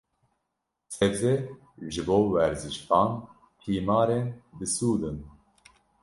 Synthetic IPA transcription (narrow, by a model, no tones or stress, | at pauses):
sɛvzɛ | ʒɨboːwɛɾzɨʃt̪ɑːn | hʰiːmɑːɾeːnd̪ɨsuːd̪ɨn